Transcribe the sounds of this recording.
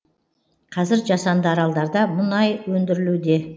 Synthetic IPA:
qʰɑzɪɾʒɑsɑnd̪əɑɾɑlˠd̪ɑɾd̪ɑmʊnɑjwɵnd̪ɪɾɪlud̪e̞

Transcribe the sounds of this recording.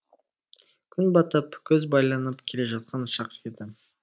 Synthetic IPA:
kʲʰʏnbɑt̪əpkʲʰɵzbɑjlˠɑnəpkʲʰe̞le̞ʒɑt̪̚qʰɑnʊʃɑqed̪ɪ

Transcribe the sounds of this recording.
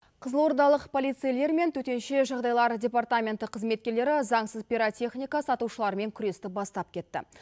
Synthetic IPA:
qʰəzəlˠwoɾd̪ɑlˠəqpʰo̞lʲijt̪sɨjle̞ɾme̞nt̪ʰɵt̪e̞nʃe̞ʒɑʁd̪ɑjlˠɑɾdʲe̞part̪amʲe̞nt̪əqʰːəzme̞t̪̚kʲe̞ɾle̞ɾɪzɑɴsəzpʲiɾot̪ʲe̞χnʲijkɑsɑt̪uʃəlˠɑɾəme̞ŋkʲʰʏɾe̞st̪ɪbɑst̪ɑp̚kʲʰe̞t̪ːɪ̰

